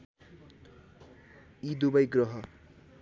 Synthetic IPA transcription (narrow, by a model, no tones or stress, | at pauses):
id̪ubʌjɡrʌɦʌ